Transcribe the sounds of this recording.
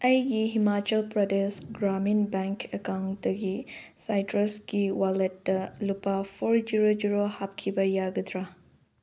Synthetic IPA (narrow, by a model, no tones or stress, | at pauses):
ɐjɡiɦimat͡ʃɐlpɾɔdesɡɾaminbɛŋkəkawntɐɡisajtɾɐsɡiwalet̚dɐlupapʰoɾd͡ʒiɾod͡ʒiɾohap̚kʰibɐjaɡɐt̪ʰɾa